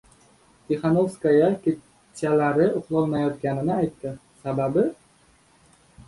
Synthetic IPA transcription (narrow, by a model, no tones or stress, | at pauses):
t̪ʲʰeχanovskajakʲe | tːalaɾɪʊqlˠɒlˠnajɒt̪kʲanɪnɪajt̪ːɪ | sababɪ